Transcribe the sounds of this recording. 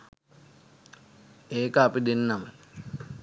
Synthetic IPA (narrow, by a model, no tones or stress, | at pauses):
eːkəapid̪enːamə